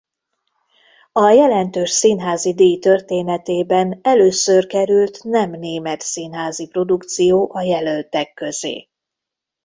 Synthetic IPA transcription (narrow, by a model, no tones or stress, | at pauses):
ɒjɛlɛnt̪øːʃsinɦaːzid̪eːjt̪ø̞rt̪eːnɛt̪eːbɛnɛløːsørkɛɾylt̪nɛmneːmɛt̪sinɦaːzipro̞d̪ukt̪sijoːʔɒjɛlølt̪ɛkːø̞zḛː